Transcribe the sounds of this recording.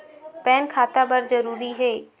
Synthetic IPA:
pɛːnkʰaːt̪abɐɾzɐɾuːɾiɦeː

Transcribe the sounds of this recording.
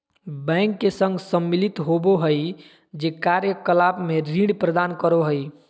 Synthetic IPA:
bɛ̃ŋkːesə̃ŋɡsəmːilit̪ɦoboɦəj | d͡ʒekaɾjəkəlabmeɾĩɖpɾəd̪ankəɾoɦəj

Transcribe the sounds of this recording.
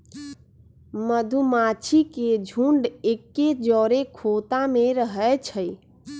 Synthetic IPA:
məd̪ʱumat͡ʃʰiked͡ʒʱuɳɖekːed͡ʒɔɾekʰot̪ameɾəɦɛt͡ʃʰəj

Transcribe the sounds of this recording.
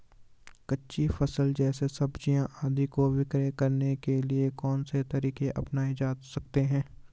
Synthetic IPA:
kɐtːʃifɐsəld͡ʒɛːsesɐbd͡ʒijãʔaːd̪ikowɪkɾekɐɾnekeliekɔːnset̪ɐɾiːkeʔɐpnaːid͡ʒaːd̪sɐk̚t̪eɦɛ̃ː

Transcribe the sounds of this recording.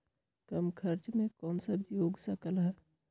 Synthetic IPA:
kəmkʰəɾt͡ʃmẽkɔːnsəbjoːɡsəkəlɦɛ

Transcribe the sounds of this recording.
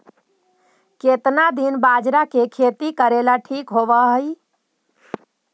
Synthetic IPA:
ket̪nad̪inbad͡ʒɾakekʰet̪ikəɾelaʈʰikɦoʋəɦəj

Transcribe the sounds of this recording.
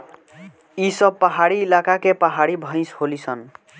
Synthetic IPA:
isʌb̚pːaɦaɽiːlakakepaɦaɽibʱʌj̃sholisʰʌn

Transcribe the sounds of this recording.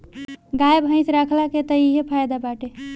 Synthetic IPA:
ɡaebʱə̃ɪ̃sɾakʰlaket̪əiɦepʰajd̪abaʈe

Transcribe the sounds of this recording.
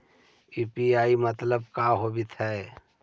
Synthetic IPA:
iːpiaːimət̪ləb̚kaɦobʱit̪ʰɛː

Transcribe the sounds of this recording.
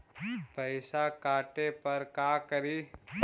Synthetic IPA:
pɐɪsakaːʈepɐɾkaːkəɾi

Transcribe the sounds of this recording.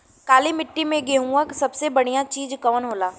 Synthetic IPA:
kaːlimɪʈːimẽɡeːɦũəksɐbsebɐɽ̤ijãt͡ʃiːd͡ʒkɔːnɦoːlaː

